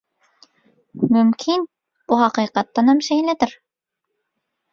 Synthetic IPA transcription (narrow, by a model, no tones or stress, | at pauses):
mɵmkʰin | buɦɑqɨjqɑt̪ːɑnhæmʃɛjlæd̪ɪɾ